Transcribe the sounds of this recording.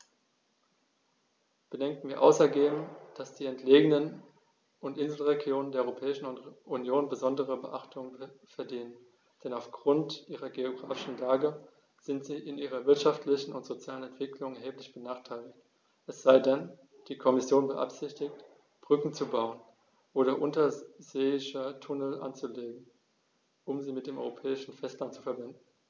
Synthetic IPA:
b̥ədɛŋk̚t̩miːɐʔa̰ʊsɛɐɡeːbm̩d̥asd̥iːɛntʰleːɡən̩ən | ʔʊntʔɪnzl̩ʁeɡjoːnəndeɐɔʁopʰɛːɪʃn̩ʊtʔunjoːnbəzɔndəʁəbəʔaχtʰʊŋənfɛɐdiːnən | d̥ɛnaʊfɡ̥ʁʊntʔiːʁɐɡeoɡʁa̰ːfɪʃn̩laːɡə | z̥ɪntz̥iːʔɪnʔiːʁ̞ɐvɪɐtʃaftʰlɪçn̩ʊntz̥ot͡sjaːlənɛntv̥ɪklʊŋɛɐɦeːplɪçb̥ənaːχtʰaɪlɪt | ʔɛsz̥aɪdɛn | d̥iːkʰɔmɪsjoːnbəʔa̰pz̥ɪçtɪçt | b̥ʁʏkŋ̩t͡subaʊən | ʔoːɾɐʔʊntɐzeːɪçətʰʊnəl̩ʔa̰nt͡suleːɡŋ̩ | ʔʊmziːmɪt̚d̥eːmʔɔʏʁopʰɛːɪʃn̩fɛstlantt͡su̥fɛɐbɪndn̩

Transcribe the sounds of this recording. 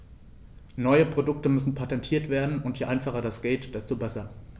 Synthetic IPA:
nɔʏəpʁ̥odʊk̚təmʏsn̩pʰatɛntʰiːɐtv̥eːɐdn̩ʊntjeːʔaɪnfaχɐdasɡ̥eːtd̥ɛstobɛsɐ

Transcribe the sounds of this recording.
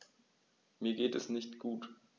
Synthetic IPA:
miːɐɡeːtɛsnɪçtɡ̥uːt

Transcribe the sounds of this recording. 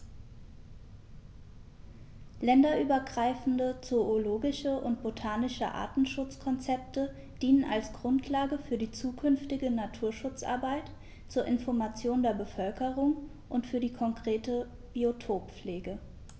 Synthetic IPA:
lɛndɐʔyːbɐɡʁaɪfn̩dət͡sooloːɡɪʃəʔʊntb̥otʰaːnɪʃə̰ʔa̰ːtn̩ʃʊt͡skʰɔnt͡sɛp̚tə | d̥iːnənʔa̰lsɡ̥ʁʊntʰlaːɡəfyːɐdiːt͡suːkʰʏnftɪɡənatʰuːɐʃʊt͡sʔa̰ɐbaɪt | t͡suːɐʔɪnfɔɐmat͡sjoːndeːɐbəfœlkəʁʊŋ | ʔʊntfyːɐdiːkʰɔŋkʁ̥eːtə | b̥iotʰoːpp͡fleːɡə

